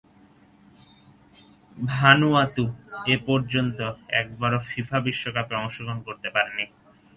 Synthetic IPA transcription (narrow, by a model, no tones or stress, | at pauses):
bʱanuat̪uepɔɾd͡ʑont̪oɛ̰k̚baɾofifʰabiʃːokapeɔŋʃoɡonkoɾt̪epaɾeni